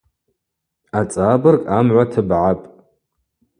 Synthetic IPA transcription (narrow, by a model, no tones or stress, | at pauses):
at͡sʼaːbɨrkʼamʕʷatʰɨbʕapʼ